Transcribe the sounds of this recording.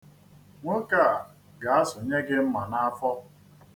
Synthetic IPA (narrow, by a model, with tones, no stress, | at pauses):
ŋʷʊ˦ka˦˨a˨ | ɡa˨a˦sʊ˨ɲe˦ɡɪ˦m̩˦ma˨na˦a˦fɔ˦